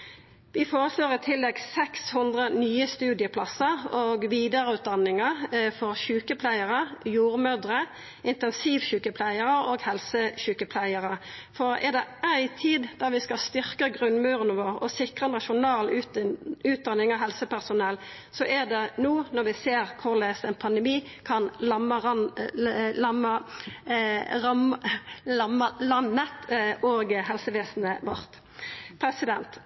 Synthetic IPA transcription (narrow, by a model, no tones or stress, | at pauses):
ʋɪfoːʁəsloːʁɪt̪ʰɪlːɛɡsɛkshʊnd̪ʁənyːəst̪ʉːd̪ɪəpʰlɑsəʁoːɡʋiːd̪əʁəʉːt̪̚d̪ɑnːɪŋəfɔʁçʉːkəpʰlæɪəʁəjuːʁmœd̪ʁə | ʔɪnt̪ɛnsiːʋçʉːkəpʰlæɪəʁəoːɡhɛlsəɕʉːkəpʰlæɪəʁəfɔʁɛ̰ʁd̪ɛæɪt̪ʰiːd̪d̪ɑʁʋɪskɑst̪ʏʁkəɡʁʉnmʉːɾənəʋoːʁɔ̰sɪkʁənɑʃʊnɑːl | ʉːt̪̚d̪ɑnːɪŋɑɦɛlsəpæʁsʊnɛl | sɔʔæʁd̪ɛnuːnɔʁʋɪseːʁkʰʊʁleːst̪æɪnpʰɑnd̪əmiː | kʰɑnlɑməʁ | lɑmə | ʁɑm | ɑmlɑnːət̪oːɡɦɛlsəʋeːsnəʋɔ̰ʁt̪ | pʰɾɛsɪd̪ɛnt̪